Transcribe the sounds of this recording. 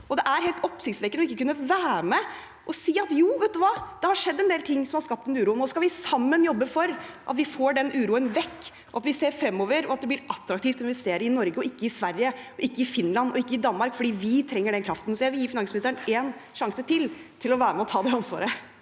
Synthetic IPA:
ʔɔd̪ɛʔæɾheːlt̪ɔpsɪçt̪sʋɛːkəɔɪkːəkʉnːəʋæːɾmɛ | ʔɔsiːɑt̪juːʋɛt̪ʉʋɑːd̪̥ɛhɑʂɛd̪ːɛnd̪eːlt̪ʰɪŋːsɔmhɑɾʂkɑp̚t̪ɛnʉːɾuːənɔskɑlʋɪsɑmːənjɔbːəfɔɾʔɑ̰t̪ʋɪfoːɖɛnʔʉːɾuːənʋɛkː | ʔɔɑt̪ʋɪseːɾfɾɛmːoːʋəɾɔɑt̪̚d̪ɛblɪɾɑt̪ːɾɑk̚t̪iːft̪ɔɪnʋɛst̪eːɾəɪnɔɾɡəɔɪkːəɪsʋæɾjəɔʔɪkːəɪfɪnːlɑnɔɪkːəɪd̪ɑnmɑɾkfɔɖiːʋɪt̪ʰɾɛŋːəɖɛnkʰɾɑft̪n̩sɔjæɪʋɪljiːfɪnɑŋsmɪnɪst̪ɾəneːnʂɑŋsət̪ʰɪlt̪ʰɪlɔʋæːɾəmɛɔt̪ʰɑːd̪ɛɑnsʋɑ̰ːɾə

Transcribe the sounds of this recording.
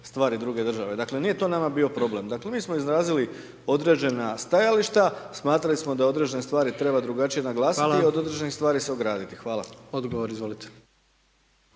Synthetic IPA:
st̪ʋaːɾid̪ɾuɡe̞d̪r̩ʒaʋe̞d̪akle̞nijet̪o̞ːnamabio̞pɾo̞ble̞md̪akle̞miːsmoizɾaːzili | o̞d̪ɾe̞d͡ʒe̞nast̪ajaliʃt̪asmaːt̪ɾalismo̞d̪ao̞d̪ɾe̞d͡ʒe̞nest̪ʋaːɾit̪ɾe̞bad̪ɾuɡat͡ʃije̞naɡlˠaːsi̥liio̞d̪o̞d̪ɾed͡ʒenixst̪ʋaːɾise̞o̞ɡɾaːd̪it̪ixʋaːlˠa̰od̪ɡoʋoɾizʋolit̪e̥

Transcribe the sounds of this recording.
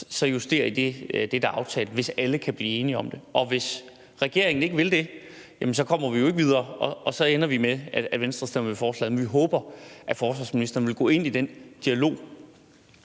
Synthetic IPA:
sɒ̽jusd̥e̝̰ːɐid̥ed̥e̝d̥æɑ̈ʊt͡sʰɛ̰ːləʋe̝sæləkʰæb̥liːe̝ːniɒ̽md̥e̝ʔɒ̽ʋe̝s | ʁɛɡ̥e̝ɐ̰e̝ŋn̩e̝ɡ̥əʋe̝ld̥e̝ | jæmnsɒ̽kʰɒ̽m̰ɐʋijo̝e̝ɡ̥əʋið̞ˠɐːɒʔɒ̽sɒ̽enɐʋimeæædʋensd̥ʁɐsd̥ɛ̰mʋefɒːslɛ̰ːðˠmenʋiɦɔːb̥ɐʔæfɒːsʋɑ̈ːsminisd̥ɐːnʋe̝lɡ̥ɔ̰̽ːe̝n̰id̥en̰d̥iælo̝̰ː

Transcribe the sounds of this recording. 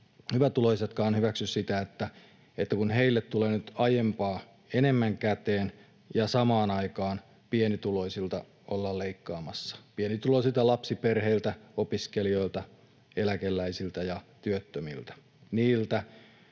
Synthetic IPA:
hyʋæt̪uloiset̪kɑːnhyʋæksyssit̪æet̪ːæ | et̪ːækunheilːet̪t̪uleːnyt̪ɑjempɑː | enemːæŋkæt̪eːn | jɑsɑmɑːnɑikɑːn | pienit̪uloisilt̪ɑ | olːɑlleikːɑːmɑsːɑ̥pienit̪ulosilt̪ɑlɑpsiperheilt̪æopiskelio̞ilt̪ɑ | elækelːæisilt̪æjɑt̪yøt̪ːømḭlt̪æ̥ | niːlt̪æ

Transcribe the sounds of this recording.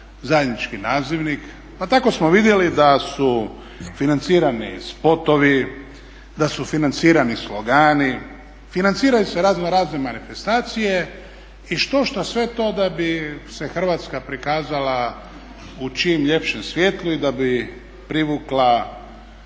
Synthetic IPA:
zajed̪nit͡ʃkinaːziʋnik | pat̪ako̞smoʋid̪je̞lid̪asu | finant̪siːɾanispo̞t̪o̞ʋi | d̪asufinant̪siːɾanislo̞ɡaːni | finant̪siːɾajuseɾaːznoɾaːzne̞manife̞st̪aːt̪sije̞ | iʃt̪o̞ʃt̪osʋe̞t̪o̞d̪abise̞xr̩ʋat̪skapɾikaːzala | ut͡ʃimʎe̞pʃe̞msʋʲje̞ːt̪lˠuid̪abi | pɾiʋuklˠa

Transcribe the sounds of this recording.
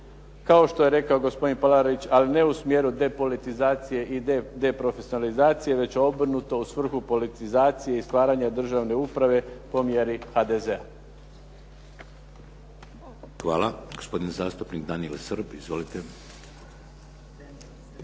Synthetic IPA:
kao̞ʃt̪o̞je̞ɾe̞kao̞ɡo̞spo̞d̪inpalaɾoʋit͡ɕaline̞usmje̞ɾud̪e̞po̞lit̪izaːt̪sije̞ʔid̪e̞pɾo̞fesjonalizaːt̪sije̞ʋe̞t͡ɕo̞br̩nut̪o̞usʋr̩xupo̞lit̪izaːt̪sije̞ist̪ʋaːɾaɲad̪r̩ʒaʋne̞upɾaʋe̞po̞mje̞ɾixad̪e̞ze̞a | xʋa̰ːlaɡospo̞d̪inzaːst̪upnikd̪aniḛlˠsəɾbizʋolit̪e

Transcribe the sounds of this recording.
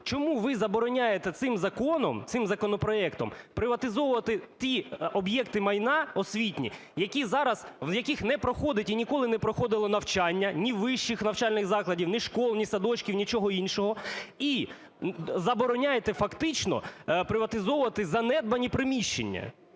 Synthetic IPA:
t͡ʃɔmuʋɪzɐbɔɾɔnʲajet̪ɛt̪sɪmzɐkɔnɔmt̪sɪmzɐkɔnɔpɾɔɛkt̪ɔmpɾɪʋɐt̪ɪzɔwʊʋɐt̪ɪt̪ʲiɔbjɛkt̪ɪmɐjnɑɔsʲʋʲitʲnʲḭ | jɐkʲizɑɾɐzʋjɐkʲixnɛpɾɔxɔd̪ɪtʲinʲikɔlˠɪnɛpɾɔxɔd̪ɪlˠɔnɐwt͡ʃɑnʲːɐnʲiʋɪʃt͡ʃɪxnɐwt͡ʃalʲnɪɣzɑklˠɐdʲiwnɪʃkɔlˠnʲisɐd̪ɔt͡ʃʲkʲiwnʲit͡ʃɔɦɔinʃɔɦɔi | zɐbɔɾɔnʲajet̪ɛfɐkt̪ɪt͡ʃnɔ̰pɾɪʋɐt̪ɪzɔwʊʋɐt̪ɪzɐnɛd̪̚bɐnʲipɾɪmʲiʃt͡ʃḛnʲːɐ̰

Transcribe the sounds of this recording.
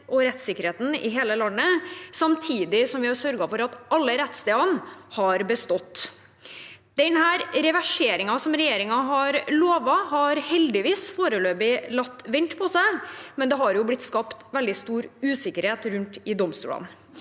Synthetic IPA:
ʔɔɾɛt̪sɪkːəɾheːt̪n̩ɪ̰ɦeːləlɑnːəsɑmt̪ʰiːd̪ɪsɔmʋɪhɑɾsœɾɡɑfɔɾɑt̪ɑlːəɾɛt̪st̪eːɑnhɑɾbəst̪ɔt̪ː | d̪ɛnhæːɾɾɛʋæʂeːɾɪŋɑsɔmɾɛjeːɾɪŋɑɦɑɾloːʋɑhɑɾhɛld̪ɪʋiːsfoːɾəløːbɪlɑt̪ːʋɪnt̪pʰɔsæɪmɛnd̪ɛɦɑɾjʊblɪt̪ːskɑpt̪ʋɛld̪ɪst̪uːɾʉːsɪkːəɾheːt̪ɾʉnt̪ɪd̪ɔmst̪ʉ̰ːlɑ̰n

